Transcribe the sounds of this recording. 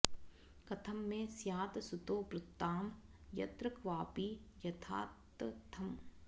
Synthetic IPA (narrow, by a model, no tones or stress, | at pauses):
kɐt̪ʰɐmːẽsjaːt̪sut̪oːpɾʊt̪ːaːm | jɐ̰t̪ɾəkʰʋaːpiːjɐt̪ʰa̰ːtt̪t̪ʰːɐm